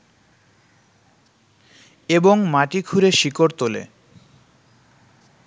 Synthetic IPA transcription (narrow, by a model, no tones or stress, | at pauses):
eboŋmaʈikʰuɾeʃikoɾt̪olḛ